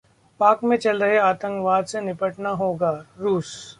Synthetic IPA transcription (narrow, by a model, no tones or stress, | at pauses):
paːkmẽt͡ʃɐlɾɐɦeaːt̪ə̃ŋkʋaːd̪senɪpəʈnaɦoːɡaːɾuːs